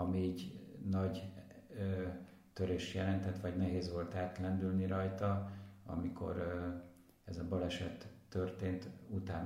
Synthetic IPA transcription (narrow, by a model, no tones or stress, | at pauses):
ɒmiːɟnɒɟø | t̪øɾeːʃjɛlɛnt̪ɛt̪ːʋɒɟnɛɦeːzʋo̞lt̪aːt̪lɛnd̪ylniɾɒjt̪ɒɒ̰mikʰo̞̰ɾ | ɛzɒbɒlɛʃɛt̪ːørt̪eːnt̪ut̪aːn